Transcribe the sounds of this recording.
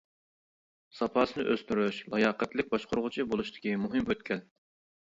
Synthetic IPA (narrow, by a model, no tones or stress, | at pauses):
sɑpʰɑːsɨnɨʔøst̪yɾyʃlˠɑjɑːqɛt̪lɪk̚ʲbɑʃqʰoɾʊʁʊt͡ʃʰibolˠuʃt̪ʰɪ̥kʲimuɦɨmøt̪̚kʲʰɛn